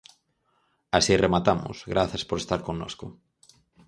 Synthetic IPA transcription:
asiremat̪amʊ̰sɣɾaθaspoɾest̪aɾkoŋnoskʊ

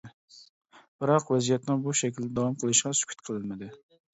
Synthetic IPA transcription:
b̥ɨɾɑqvɛzijɛt̪nɪŋbuʃɛkʲʰild̪ɛd̪ɑwɑmqʰəlˠɨʃqɑsy̥kʲʰy̥t̪̚qʰəlˠɨlmɪd̪ɪ

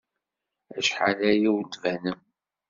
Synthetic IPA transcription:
æʃħa̰læjiwd̪vænəm

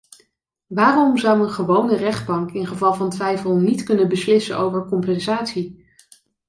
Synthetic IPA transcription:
ʋaːrɔmzʌwənχəʋownərɛχd̚bɑŋkɪnχəvɑlˠvɑntʋɛjfəlˠnitkɵnənbəslɪsə̰nʔowvəɹkɔmpɛnzaːtsi

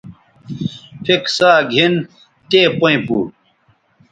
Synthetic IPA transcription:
pʰiksaːɡʱin | t̪eːpoĩpuː

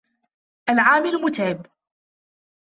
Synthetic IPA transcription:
ʔalʕaːmɪlmʊt̪aːb

